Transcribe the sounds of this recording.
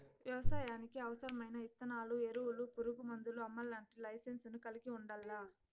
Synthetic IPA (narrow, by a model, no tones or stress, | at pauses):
ʋjɐʋɐsaːjaːnikiɐʋɐsɐɾɐmɐjnɐit̪ːɐnaːlueɾuwulupuɾuɡumɐnd̪uluɐmːɐlːaːɳʈilɐjsensunukɐliɡiuɳɖɐlːaː